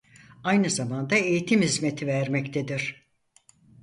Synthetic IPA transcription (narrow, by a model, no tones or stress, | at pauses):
ajnɯzamand̪aejit̪ʰimhizmet̪ʰivæɾmɛct̪ʰed̪iɾ̥